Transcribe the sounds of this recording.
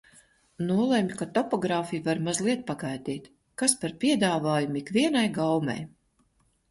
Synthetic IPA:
nuɔlˠemʲikat̪ɔpɔɡɾaːfijuvaɾmazlˠiɛt̪̚paɡajd̪iːt̪ | kaspaɾpʲiɛd̪aːvaːjumikvʲiɛnajɡawmɛ̰j

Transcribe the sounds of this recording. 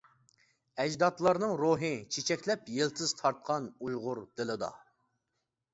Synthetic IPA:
ɛd͡ʒd̪ɑt̪lˠɑɾnɨŋɾoɦɨt͡ʃʰet͡ʃʰɛkʲlɛpjelt̪ʰɨz̥t̪ʰɑɾt̪̚qʰɑnujʁʊɾd̪̥ɪlɪd̪ɑ̰

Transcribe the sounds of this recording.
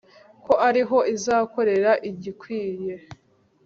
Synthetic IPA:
ko̞ʔaɾiɦo̞ʔizaːko̞ɾe̞ɾaʔiɟikwiːje̞

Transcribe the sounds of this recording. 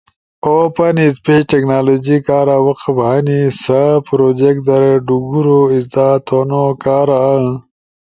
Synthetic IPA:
opɐnispeʈeknaːlod͡ʒikaːɾawɐqbanisapɾod͡ʒek̚ʈ̚d̪ɐɾeɖuɡuɾoizd̪aːt̪ʰonokaːɾaə

